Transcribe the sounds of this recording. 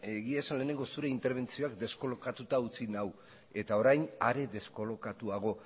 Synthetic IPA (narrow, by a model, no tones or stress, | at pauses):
e̞ɣiasanle̞ːne̞ŋɡo̞suɾe̞int̪e̞ɾβ̞e̞nt͡sio̞akd̪e̞sko̞lo̞kat̪ut̪aut͡sinaw | e̞t̪ao̞ɾajnaɾe̞ðe̞sko̞lo̞kat̪uaɣ̞o̞